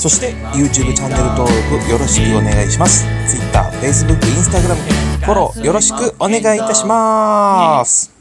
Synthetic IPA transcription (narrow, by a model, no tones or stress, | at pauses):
so̞ɕi̥t̪e̞ | jɯ̟ːt͡ɕɨːbɯ̟t͡ɕãnːe̞ɾɯ̟t̪o̞ːɾo̞kɯ̟jo̞ɾo̞ɕi̥kɯ̟o̞ne̞ɡaiɕimasɨ̥t͡sɨit̪ːa̰ːɸe̞is̬ɨbɯ̟kːɯĩsɨ̥t̪aɡɯ̟ɾamɯ̟fo̞ɾo̞̰jo̞ɾo̞ɕi̥kɯ̟o̞ne̞ɡait̪aɕima | sɨ̥